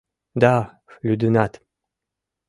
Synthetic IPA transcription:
d̪a | lʲyd̪ɨnat̪

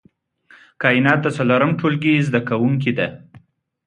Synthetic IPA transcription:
kɑɪnɑt̪̚d̪ast͡saloɾamʈʰolɡizd̪akawuŋk̬id̪a

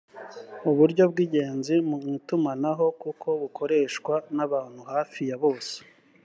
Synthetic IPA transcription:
uβuɾɟo̞bɡiːɟe̞ːnzimumutumanaɦo̞kukʰo̞βukʰo̞ɾe̞ʃkwanaβaːn̥huhaːfijaβo̞ːse̥

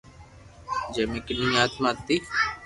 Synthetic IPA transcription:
d͡ʒeːmekɪɗĩːaːt̪maːt̪ːiː

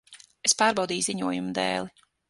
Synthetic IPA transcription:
espaːɾbawd̪iːjziɲuɔjumd̪ɛ̰ːlˠi

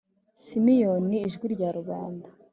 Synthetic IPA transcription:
simijoniːʒɡwiɾɟaɾuβaːnda

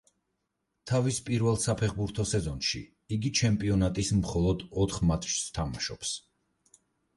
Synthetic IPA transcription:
t̪ʰavispʼiɾvɛlˠsapʰɛχbuɾt̪ʰɔsɛzɔnʃḭ | iɡit͡ʃʰɛmpʼiɔnat̪ʼismχɔlˠɔd̪ɔt̪ʰχmat̪ʰʃst̪ʰama̰ʃɔps

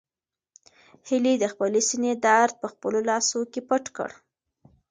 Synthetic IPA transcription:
hilid̪əxpəlesined̪aɾd̪̚pəxpəlolɑsokepəʈkə̰ɽ

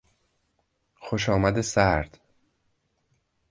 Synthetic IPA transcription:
xoʃ̬ɒːmæd̪esæɾd̪̥

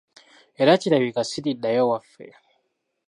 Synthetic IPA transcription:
ɛɾat͡ʃiɾaβikasididajɔwafɛ̰

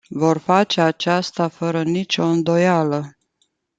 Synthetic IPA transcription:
vo̞rfat͡ʃeat͡ʃast̪afəɾənit͡ʃʲo̞ɨnd̪o̞jalə

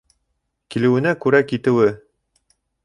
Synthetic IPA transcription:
kilɘ̆wɘ̆nækʉɾækit̪ɘ̆wɘ

